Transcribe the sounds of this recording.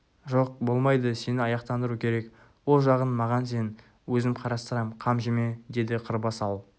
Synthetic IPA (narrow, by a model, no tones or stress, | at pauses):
ʒo̞q̚bo̞lˠmɑjd̪əse̞nɪɑjɑqt̪ɑnd̪əɾukʲʰe̞ɾe̞k | wo̞lˠʒɑʁənmɑʁɑns̬e̞n | wɵzɪmqʰɑɾɑst̪əɾɑmqʰɑmʒeme̞d̪e̞d̪ɪqʰəɾbɑsɑlˠ